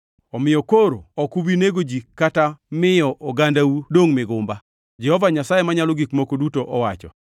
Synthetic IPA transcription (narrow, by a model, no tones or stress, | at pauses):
ɔmɪjɔkoɾoɔkubineɡod͡ʒikatamɪjɔʔɔɡandawudoŋmɪɡʊmba | d͡ʒɛhɔvaɲasajemaɲalɔɡikmokodutoʔɔwat͡ʃɔ̰